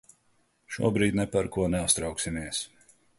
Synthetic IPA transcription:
ʃṵɔbɾiːd̪ʲnɛpaɾkuɔnɛast̪ɾɑwksimiɛs

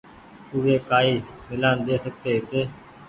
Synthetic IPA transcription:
ʊʋeːkaːiːmɪlaːnd̪eːsək̚t̪eːɦt̪eː

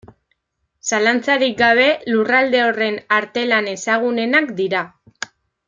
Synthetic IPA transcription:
salant͡saɾik̚ɡaβ̞e̞lurald̪e̞o̞re̞naɾt̪e̞lane̞saɣ̞une̞nakd̪iɾa

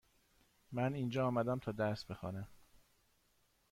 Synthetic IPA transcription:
mæniːnd͡ʒɒːmæd̪æmt̪ʰɒːd̪æɾst̪bexɒ̰ːne

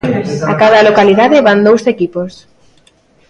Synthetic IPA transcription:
akaðɐlokaliðaðeβand̪owsekipos

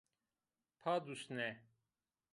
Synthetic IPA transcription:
pʰad̪usnɛ

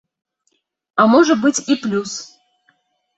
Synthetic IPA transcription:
amɔʐət̪̚bɨt͡sʲiplʲus

